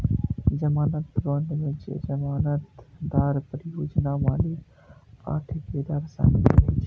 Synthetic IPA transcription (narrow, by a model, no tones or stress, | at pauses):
d͡ʒɐmaːnət̪ɾoːɳɖmẽt͡ʃd͡ʒɐmaːnət̪d̪aːɾpəɾɪjoːd͡ʒnaʋaːli | a̰ːʈʰɪkeːd̪aːɾsa̰ːmɪlɦiːt͡ʃː